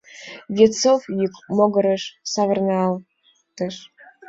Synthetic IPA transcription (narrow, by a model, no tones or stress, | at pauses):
vʲet͡sofjykmoɡəɾə̆ʃsɑvərnɑɑl | t̪əʃ